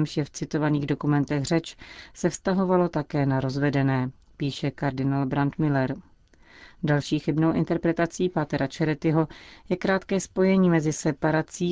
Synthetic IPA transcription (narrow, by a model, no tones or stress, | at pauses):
mʃjɛft͡sɪt̪o̞vaniːɣdo̞kumɛnt̪ɛɣr̝ɛt͡ʃsɛfst̪aɦo̞valo̞t̪akɛːnaɾo̞zvɛdɛnɛː | piːʃɛkaɾdɪnaːlbɾant̪mɪlɛɾ | dalʃiːxɪbnowʔɪ̰nt̪ɛɾpɾɛt̪at͡siːpat̪ɛɾat͡ʃɛɾɛt̪ɪɦo̞jɛkɾaːt̪kɛːspo̞jɛɲiːmɛzɪsɛpaɾat͡siː